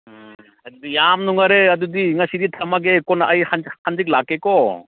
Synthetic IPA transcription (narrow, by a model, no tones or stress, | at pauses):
ɐdudijamnuŋaɾeɐdudiŋasidit̪ʰamaɡekɔnaʔajhanhʰand͡ʒik̚lakːekɔ